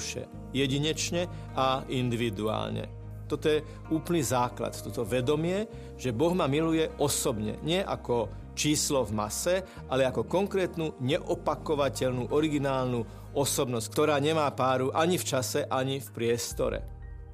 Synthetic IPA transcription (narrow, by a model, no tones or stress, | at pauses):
ʃɛ̰ | jɛɟiɲɛt͡ʃɲɛ | aind̪iʋid̪ua̰ːlɲɛ̰ | t̪ɔt̪ɔjɛ | uːplnizaːkla̰t̪t̪ɔt̪ɔʋɛd̪ɔmɪɛ | ʒ̥ɛbɔɣmamilujɛʔɔsɔbɲɛ̰ɲɪɛʔa̰kɔ | t͡ʃiːslɔvmasɛ | ʔalɛakɔkɔŋkɾɛːt̪nuːɲɛʔɔpakɔʋacɛʎnuːʔɔɾiɡinaːlnu | ɔsɔbnɔsc̚kt̪ɔɾaːɲɛmaːpaːɾuʔaɲift͡ʃasɛʔaɲifpɾɪɛst̪ɔ̰ɾɛ̰